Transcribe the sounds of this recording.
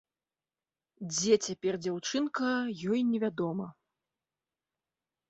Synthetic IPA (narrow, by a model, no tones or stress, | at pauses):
d͡zʲɛt͡sʲapʲɛrd͡zʲawt͡ʂɨnkɐjɔjnʲɛvʲad̪ɔmɐ